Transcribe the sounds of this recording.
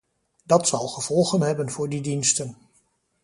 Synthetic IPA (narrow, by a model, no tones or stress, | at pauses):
dɑtsɑlˠχəv̥ɔlˠχənɦɛbənvʊːɹdidinstən